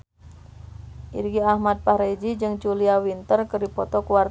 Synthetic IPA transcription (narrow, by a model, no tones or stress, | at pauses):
ʔirɡiahmad̪̚pahɾed͡ʒid͡ʒɨŋt͡ʃuliawint̪ərkərdipɔt̪ɔkuar